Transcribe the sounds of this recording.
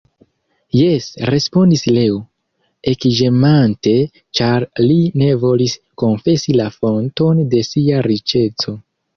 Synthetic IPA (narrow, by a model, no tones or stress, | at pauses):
je̞sɾe̞spo̞ndislewo | e̞kiʒe̞mante̞ | t͡ʃaɾline̞vo̞lis | ko̞nfe̞silafo̞nto̞nde̞siaɾit͡ʃe̞t͡so̞